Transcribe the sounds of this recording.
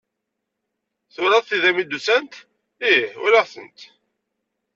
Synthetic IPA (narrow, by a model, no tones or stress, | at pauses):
θʊɾɑðˤθiðæmid̪usænt̪ | iʊ̰ɾəʁθə̰nt̪